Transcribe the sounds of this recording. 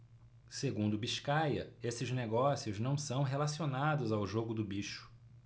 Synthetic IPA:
seɡũnd̪ʊbiʃkajɐesɪzneɡɔsiʊznɐ̃w̃sɐ̃w̃ɦelasionad̪ʊzawʒoɡʊd̪ʊbiʃʊ̥

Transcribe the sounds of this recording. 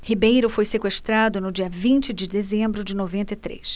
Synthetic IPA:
hibejɾʊfojsekweʃt̪ɾad̪ʊnʊd͡ʒiɐvĩnt͡ʃɪd͡ʒɪd̪ezẽmbɾʊd͡ʒɪnovẽnt̪ɐit̪ɾḛs

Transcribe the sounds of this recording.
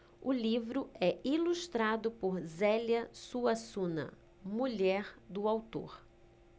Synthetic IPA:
ʊlivɾʊɛiluʃt̪ɾad̪ʊpoɾzɛljɐsuɐsũnɐ̰ | muʎɛɾd̪ʊawt̪o̰ɾ

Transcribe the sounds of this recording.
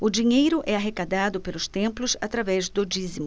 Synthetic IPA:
ʊd͡ʒiɲejɾʊʔɛaɦekad̪ad̪ʊpelʊst̪ẽmplʊsat̪ɾavɛzd̪od͡ʒizimʊ

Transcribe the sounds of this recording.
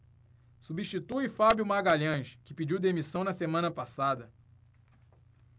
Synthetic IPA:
subiʃt͡ʃit̪uifabjumaɡaʎɐ̃ʃkɪpid͡ʒiwd̪emisɐ̃w̃nɐsemɐ̃nɐpasad̪ɐ

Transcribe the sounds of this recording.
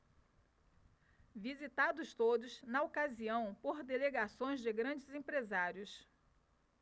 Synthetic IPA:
vizit̪ad̪ʊst̪od̪ʊsnɐokaziɐ̃w̃poɾd̪eleɡasõj̃zd͡ʒɪɡɾɐ̃d͡ʒɪzẽpɾezaɾjʊs

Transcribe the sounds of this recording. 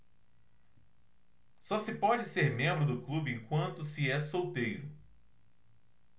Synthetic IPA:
sɔsɪpɔd͡ʒɪseɾmẽmbɾʊd̪ʊklubɪẽŋkwɐ̃nt̪ʊsɪɛsowt̪ejɾʊ

